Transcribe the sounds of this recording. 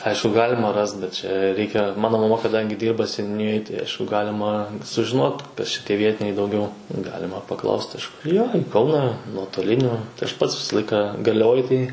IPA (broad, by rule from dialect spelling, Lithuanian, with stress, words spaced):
ˈɐɪʃkʊ ˈɡɑːlʲɪmɐ ˈrɐst bʲɛt t͡ʃʲɛ ˈrʲɛɪkʲɛ ˈmɑːnoː mɐˈmɐ kɐˈdɐŋʲɡʲɪ ˈdʲiːrbɐ sʲɛnʲʊˈnʲɪjoːj tɐɪ ˈɐɪʃkʊ ˈɡɑːlʲɪmɐ sʊʒʲɪˈnoːt ˈkɐs t͡ʃʲɛ ˈtʲiɛˈʋʲiɛtʲɪnʲɛɪ dɐʊˈɡʲɛʊ ˈɡɑːlʲɪmɐ pɐˈklˠɐʊst ˈɐʃ joː ɪ ˈkɐʊnɑː nuɔtoːˈlʲɪnʲʊ tɐɪ ɐʃ ˈpɐts ˈʋʲɪsɐ ˈlˠɐɪkɐ ɡɐrʲlʲɛˈʋoːj tɐɪ